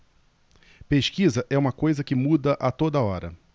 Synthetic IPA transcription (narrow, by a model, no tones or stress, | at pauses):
peʃkizɐʔɛũmɐkojzɐkɪmud̪ɐʔɐt̪od̪ɐɔɾɐ̰